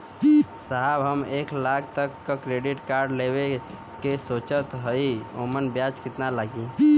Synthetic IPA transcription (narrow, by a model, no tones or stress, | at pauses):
saɦabɦəmeklak̚ʰt̪əkːəkɾeɖiʈkaɾɖlebe | kesot͡ʃət̪ɦəio̰mənbjat͡ʃkit̪nalaɡi